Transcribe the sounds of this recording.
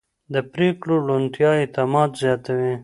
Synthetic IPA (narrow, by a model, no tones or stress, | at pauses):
d̪əpɾeːklolont̪jɑːit̪amɑːt̪zjɑːt̪awe